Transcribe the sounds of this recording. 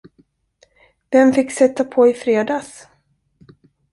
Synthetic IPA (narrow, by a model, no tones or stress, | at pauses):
d̪̥ɛnfɪkːsɛt̪ːapʰɔɪfɾeːd̪aːs